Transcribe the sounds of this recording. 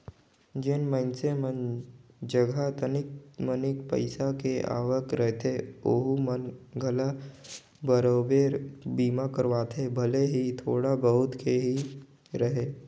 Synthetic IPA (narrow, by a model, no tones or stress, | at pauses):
d͡ʒɪnməɪnsemənd͡ʒəɡʱat̪ənɪkmənɪkpə̰ɪsakeʔa̰ːʋəkɾəɦet̪ʰeo̰ɦumənɡʱəla | bəɾoːbeɾbiːmakəɾʋaːt̪ʰebʱəleɦit̪ʰoːɽabəɦʊt̪kʰeɦi | ɾəɦeː